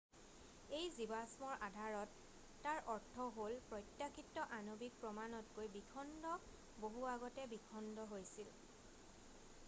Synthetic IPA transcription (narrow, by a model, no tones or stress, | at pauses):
ejzibasmɔɹʔadʱaɹɔtː | aɹʔɔɹtʰɔɦolpɹɔjtːakʰitːɔʔanobik̚pɹɔmanɔtkojbikʰɔndɔ | boɦuaɡɔtɛbikʰɔndɔɦojsil